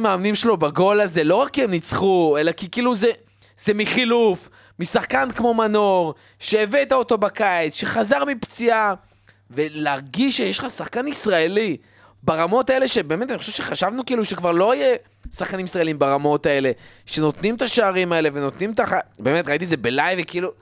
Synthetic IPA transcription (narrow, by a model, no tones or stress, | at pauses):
maːmnimʃelo̞baɡo̞laze̞lo̞ʁakːiemnit͡sχue̞lakikiːluze | z̥emiχiluf | misaχkankmo̞mano̞ʁ | ʃeːveːtaot̪o̞bakaet͡sʃe̞χazaʁmipt͡sia | ve̞leaʁɡiʃʃejeʃχasaχkanisʁaeli | baʁamo̞tae̞le̞ʃe̞be̞ːmetaniχoʃevʃeχaʃavnukiːluʃe̞kvaʁlo̞ije | saχkanimisʁaeliimbaʁamo̞tae̞le̞ʃe̞no̞t̪nimt̪aʃeaʁimae̞le̞ve̞no̞t̪nimt̪aχabe̞ːme̞t̪ʁait̪izebelajvekiiːlu